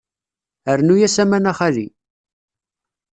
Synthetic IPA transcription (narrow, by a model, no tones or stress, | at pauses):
əɾnujæsæmænaχæli